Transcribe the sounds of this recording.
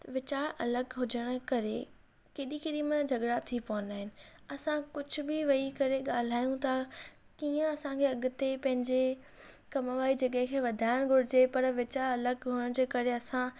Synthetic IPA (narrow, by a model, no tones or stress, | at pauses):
ʋɪt͡ɕaːɾɐləɡɦʊd͡ʑəɽ̃ʊ̆kɐɾe | keːɗĩkeːɗĩmənd͡ʑʱɐɠɽat̪ʰipɐʋə̃nd̪aːɦɪnɪ̆ɐsãkʊd͡ʑʱʊ̆bɪʋɐikɐɾeɠaːl̤aːjũt̪ʰa | kiːə̃ɐsãkʰeːɐɠʊt̪epɐ̃ɦɪ̃ɲd͡ʑe | kɐmʋaːid͡ʑɐɠə̃ɦɪ̃kʰeːʋɐd̪ʱaːɪɽ̃ɡʱʊɽɪd͡ʑepɐɾʋɪt͡ɕaːɾɐləɡɦʊəɽ̃d͡ʑeːkɐɾeɐsã